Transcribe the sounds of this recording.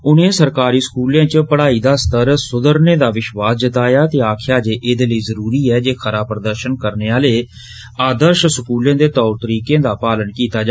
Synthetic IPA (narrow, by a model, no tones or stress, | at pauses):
ʊnẽːsəɾkaːɾiːskuːljãːt͡ʃpəɽaːiːd̪aːst̪əɾsʊd̪əɾnẽːd̪aːʋɪʃʋaːsd͡ʒɪt̪aːjaːt̪eːaːkʰjaːd͡ʒeːʔɪd̪eːləiːzəɾuːɾiːɛːd͡ʒeːxʰəɾaːpɾəd̪əɾʃənkəɾneːaːleː | aːd̪əɾʃskuːljãːd̪eːt̪ɔːɾt̪əɾiːkẽːd̪aːpaːlənkiːt̪aːd͡ʒa